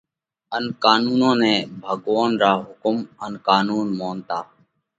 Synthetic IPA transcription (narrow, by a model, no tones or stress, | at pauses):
ənkaːnuːnõːnɛ̃ːbʱəɠʋaːnɾaːɦʊkʊmənkaːnuːnmoːnt̪aː